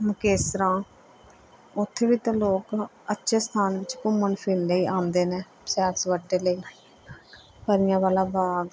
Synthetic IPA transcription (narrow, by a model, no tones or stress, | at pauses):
mʊkeːsɾãː | ʊt̪ʰːeːʋiːt̪ãːloːk | ətːʃʰeːst̪ʰaːnʋɪt͡ʃkʊmːəɳpʰɪnləiːʔaːmd̪eːneː | sɛːsʋəʈːeːləiː | pəɾɪjãːʋaːlaːbaːɡ